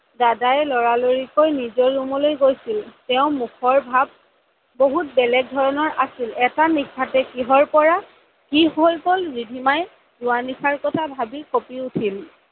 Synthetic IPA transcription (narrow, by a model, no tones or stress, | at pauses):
dadajɛlɔɹaloɹikojnizɔːumɔlojɡojsiltɛʊ̃mukʰɔɹbʱab̚ | boɦut̚bɛlɛk̚dʱɔɹɔnɔɹʔasilɛtanikʰːatɛkiɦɔɹpɔɹa | kiɦojkɔlbidʱimaj | zʊwanikʰaɹkɔtʰabʱabikopiutʰil